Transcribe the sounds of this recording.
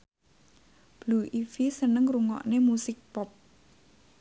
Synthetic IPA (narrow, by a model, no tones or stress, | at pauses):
b̥luʔifisənəŋruŋɔ̰ʔnemusɪk̚pɔp̚